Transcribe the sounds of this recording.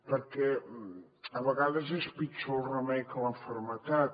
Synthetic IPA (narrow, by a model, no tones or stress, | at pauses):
pəɾkɛ | əβəɣaðəzespit͡ʃolˠrəmɛkələɱfəɾmət̪at̪